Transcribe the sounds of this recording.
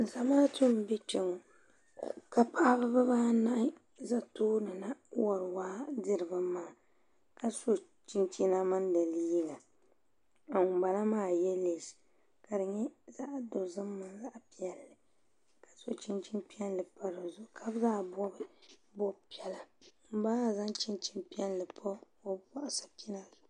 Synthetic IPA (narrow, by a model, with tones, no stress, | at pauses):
za˨maː˦tu˦m˨bɛ˦t͡ʃɛ˨ŋo˨ | ka˨pa˦bɨ˦bɨ˦baː˦na˦ʔ | za˦toː˦nɨ˨na˦wɔ˨ɾwaː˦dɨ˦ɾɨ˨ba˦maː˦˨ | ka˨so˦ | t͡ʃi˦nt͡ʃi˦na˦ma˦ndɨ˨li˦ɡa˨ | a˨ŋʊ˨ba˨la˦maː˦˨jɛ˦le˨s | ka˨dɨ˨ɲɛ˦za˦ʔdo˨zɨ˦mːa˨nza˦ʔpi˦ɛ˨lːɨ˨ | ka˨so˦t͡ʃi˦nt͡ʃi˦npi˦ɛ˦nlɨ˨pa˦ɾɨ˨zʊ˦˨kʰa˦bzaː˦bɔ˦bɨ˦bɔ˦bpi˦ɛ˨la˨m̩˨˦ba˦˨za˦nt͡ʃi˦nt͡ʃi˦npi˦ɛ˦nlɨ˨pʰɔ˦ | o˦bɔ˦ʔsḁ˨pi˦na˦zʊ˨